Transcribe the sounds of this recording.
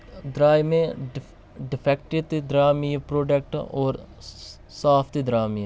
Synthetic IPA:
d̪ɾaːjmẽ | ɖɪpʰɛk̚ʈit̪id̪ɾaːmijpɾoːɖək̚ʈɔːɾ | saːpʰt̪id̪ɾaːmiː

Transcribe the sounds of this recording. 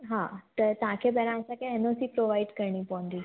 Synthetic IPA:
ɦã̰t̪əɾt̪ãkʰebɛɾãəsakaenosiːpɾoʋaiɖkəɾɳiːpɔ̃nd̪i

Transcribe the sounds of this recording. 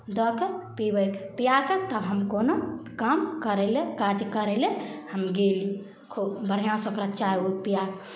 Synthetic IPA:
d̪ɔkepibəkpijakət̪əbɦəmkonokamkəɾelekad͡ʒkəɾelehəmɡeliju | kʰubbəɾijãsəkɾat͡ʃajupijak

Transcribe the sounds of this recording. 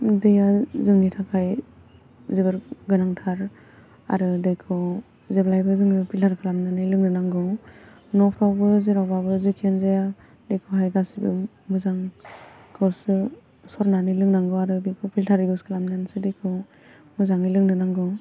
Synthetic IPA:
dɯjazɯŋnitʰakʰaj | zebɯɾɡɯnaŋtʰaɾ | a̰ɾɯdɯjkʰɯw | zeblajbɯzɯŋɯpʰiltʰaɾkʰɯlamnanɯjlɯŋnɯnaŋɡɯ | nɔpʰɾawbɯzeɾawbabɯzikʰenzeja | dejkʰɯɦajɡasibɯ | mɯzaŋ | kʰɯɾsɯ | sɔɾnanɯlɯŋnaŋɡɯwaɾɯbikʰɯpʰiltʰaɾibɯskʰɯlamnansɯdɯjkʰɯw | mɯzaŋɯlɯŋnɯnaŋɡɯ

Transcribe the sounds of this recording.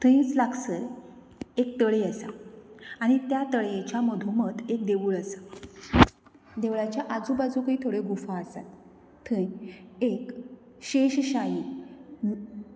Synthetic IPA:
t̪ʰə̃j̃t͡slaksəɾ | ek̚t̪əɭeəsa̰aɽ̃it̪jat̪əɭjet͡ɕjaməd̪ʱuməd̪ek̚d̪eʋuːɭəsa | d̪eʋɭat͡ɕjaʔad͡zubad͡zuːkəit̪ʰoɽeɡufaːsa̰t̪̚ | t̪ʰəjek | ɕeɕɕaji

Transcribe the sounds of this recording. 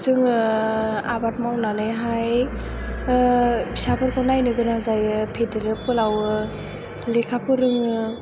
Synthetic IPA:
zɯŋ | abat̚mawnanɯjɦaj | bisapʰɯɾkʰɔnajnɯɡɯnazajɯpʰedeɾɯp̚ɯlawɯ | lekʰapʰɯɾɯŋɯ

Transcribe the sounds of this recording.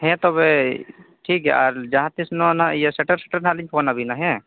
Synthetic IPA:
ɦɛ̃t̪obeʈʰiːkɦɛ̰aːɾd͡ʒɐɦãt̪isnonajeseʈəɾse̥ʈəɾnaliɲpʰoːnabʱinaɦɛ̃

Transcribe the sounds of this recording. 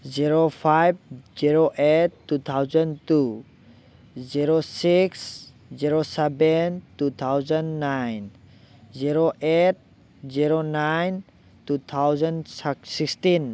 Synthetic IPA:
ziɾopʰajb̚ziɾoʔetːut̪ʰawzɔ̃ntu | ziɾosiks | ziɾosɛbɛntut̪ʰawzənːajn | ziɾoʔet̚ | ziɾonajn | tut̪ʰawzanssikstin

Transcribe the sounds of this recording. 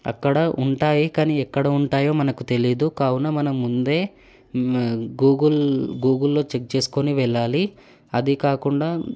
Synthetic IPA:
ɐ̰kːɐɽɐʔuɳʈaːjikaːniːɛkːɐɽɐuɳʈaːjo̞ːmɐnɐkut̪e̞lid̪ukaːwunɐmɐnɐmːund̪e̞ː | ɡuːɡulɡuːɡulːo̞ːt͡ʃek̚t͡ʃe̞ːsu̥koniʋɛɭːaːli | ɐd̪ikaːkuɳɖaː

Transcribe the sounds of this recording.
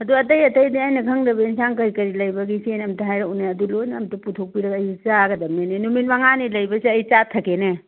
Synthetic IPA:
ɐduɐt̬ɐjɐtɐjdiajnɐkʰɐŋdɐbɐinsankɐɾikɐɾilɐjbɐɡisenɐmtaɦajɾaunaɐdulojnaɐmtuputʰuk̚piɾɐɡɐjt͡ʃaɡɐdɐmenenuminmaŋanilɐjbɐsiɐjt͡ʃatʰɐkene

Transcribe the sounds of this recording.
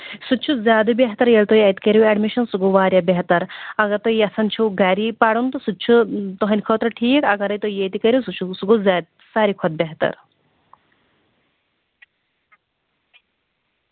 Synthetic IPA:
sut͡ʃʰuzʲjaːd̪ɨbʲeɦt̪ɐɾjelt̪ojɐjt̪ikɐɾjuɛɖmiʃɐnsuɡuʋaːɾjabeɦt̪ɐɾɐɡɐɾt̪oiɐsɐnt͡ʃʰuɡaːɾipaɽunt̪usut͡ʃʰut̪ɔɦɐnʲkʰoːt̪ɾɐʈʰiːkɐɡɐɾɐjt̪oijeːt̪ikɐɾʲjusut͡ʃʰusuɡuzaːd̪̚ | saːɾikʰɔd̪̚bʲeɦt̪ɐ̰ɾ

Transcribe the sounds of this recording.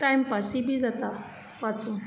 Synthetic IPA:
ajmpasibʱid͡zat̪a | pat͡sũ

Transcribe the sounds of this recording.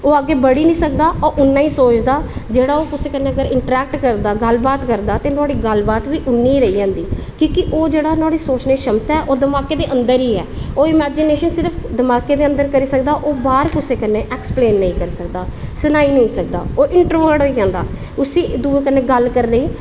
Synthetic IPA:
oːaːɡːeːbəɽiːnĩːsəkd̪aːoʔʊnːaːiːsoːt͡ʃd̪aːd͡ʒeːɽaːoːkʊseːkənːeːəɡəɾɪɳʈɾɛːk̚ʈkəɾd̪aːɡəlbaːt̪kəɾd̪aːt̪ẽːnʊaːɽiːɡəlbaːt̪ʋiːʔʊnːiːɾəiːd͡ʒãːnd̪iː | kõːkɪʔoːd͡ʒeːɽaːnʊaːɽiːsoːt͡ʃneːʃəmt̪aɛʔoːd̪əmaːkeːd̪eːʔənd̪əɾiːɛːoːɪmɛːd͡ʒɪneːʃənsɪɾpʰd̪əmaːkeːd̪eːə̃nd̪əɾkəɾiːsəkd̪aːʔoːbaːɾkʊseːkənːeːʔɛːkspleːnːəĩːkəɾsəkd̪aːsənaːiːnəĩːsək̚d̪a̰ːoːʔɪɳʈɾʋəɽoid͡ʒãːnd̪aː | ʊsiːd̪uːekənːeːɡəlkəɾːəiː

